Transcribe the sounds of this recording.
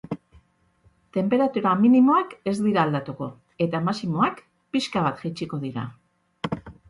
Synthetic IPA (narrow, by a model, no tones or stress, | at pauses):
t̪e̞mpe̞ɾat̪uɾaminimo̞ake̞zd̪iɾaːld̪at̪uko̞ | e̞t̪amasimo̞ak | piskaβ̞at̪ʝet͡ʃiko̞ðiɾa̰